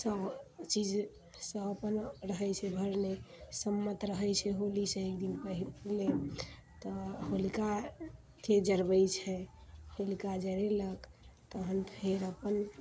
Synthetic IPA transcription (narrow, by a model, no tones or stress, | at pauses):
səbt͡ʃid͡ʒ | sə̃əpənɾəɦəjt͡ʃʰɛbʱəɾnesəmːət̪ɾəɦəjt͡ʃʰɛɦolisẽek̚d̪inpəile | t̪ɔholika | t̪ʰed͡ʒəɾbəjt͡ʃʰɛholikad͡ʒəɾeləkt̪ɔɦənpʰɦeɾəpən